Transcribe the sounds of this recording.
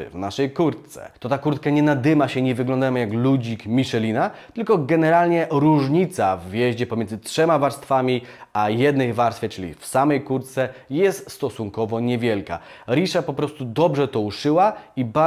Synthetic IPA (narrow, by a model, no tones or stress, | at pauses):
vnaʂɛjkuɾt̪t̪sɛ̰t̪ɔt̪akuɾt̪̚kaɲɛnad̪ɘmaɕɛɲɛvɘɡlɔ̃nd̪ajmɔjaklud͡ʑikmʲiʂɛlʲinat̪ɘlkɔɡɛnɛɾalɲɛɾuʐɲit̪savːʲjɛʑd͡ʑɛpɔmʲɛnzɘtʂɛmavaɾst̪famʲiajɛd̪nɛjvaɾsfʲɛt͡ʂɘlʲḭfsamɛjkuɾt̪sɛjɛst̪st̪ɔsuŋkɔvɔɲɛvʲjɛlka̰ɾʲiʂapɔpɾɔst̪ud̪ɔbʐɛt̪ɔuʂɘwaiba